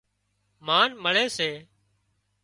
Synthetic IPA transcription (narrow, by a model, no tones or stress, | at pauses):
maːnməɭeːseː